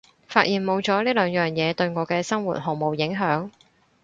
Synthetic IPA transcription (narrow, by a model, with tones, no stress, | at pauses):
faː˧t̚jiː˨nmo˨˧wt͡ʃɔː˨˥liː˥lœː˨˧ŋjœː˨˩ŋjɛː˨˧t̪ɵ˧ɥŋɔː˨˧kɛː˧sɐ˥ŋwṵ˨t̚ho˨ŋmo˨˩wjɪ˨˥ŋɦœː˨˥ŋ